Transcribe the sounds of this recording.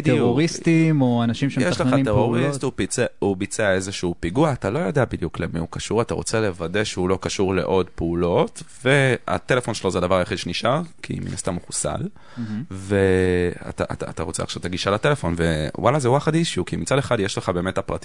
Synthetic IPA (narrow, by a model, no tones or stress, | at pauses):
deoʁist̪imoanaʃimʃjeʃʃleaimteʁoʁistupieubit͡seaezeʃuuːpiɡuaːtalo̞jodeabid̪juklemiukaʃuʁataʁo̞t͡se̞le̞vade̞ʃeulo̞kaʃuʁle̞̰ʔo̞dpeulo̞tve̞a̰t̪e̞le̞fo̞nʃelozeadavaʁajaχid̪ʃeniʃʔaʁkʰḭmḭnastamuχusa̰l | vea̰t̪a̰ʔa̰ta̰t̪aʁo̞t͡sea̰χʃavt̪aɡiʃalate̞lefo̞nvewalazehuaχadiʃukimit͡sadeχad̪jeʃleχabe̞ːmetapʁa̰ti